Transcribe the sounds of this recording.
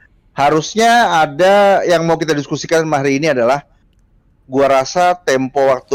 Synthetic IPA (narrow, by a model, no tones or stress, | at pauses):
haɾusɲaːdajaŋmaukit̪adiskusikanmaɦɾiːniadalah | ɡuaɾasat̪ɛmpɔwak̚t̪u